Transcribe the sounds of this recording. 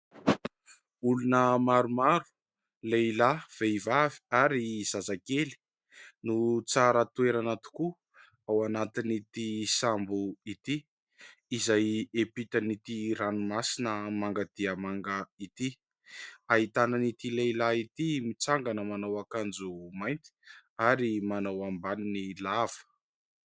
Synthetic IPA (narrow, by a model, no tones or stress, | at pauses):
ulunəmaɾumaɾu̥ | leilav̥eivavi̥aɾiz̥azakeli̥ | nut͡saɾət̪ueɾanat̪u̥ku | awanat̪init̪isambuit̪iː | zajepit̪ənit̪iɾanumasinəmaŋɡad̪̥iəmaŋɡəit̪i | aɦit̪ananit̪ilailait̪imit͡saŋɡanəmanawakand͡zumajnt̪i̥aɾimanawambaninilav̥ə̥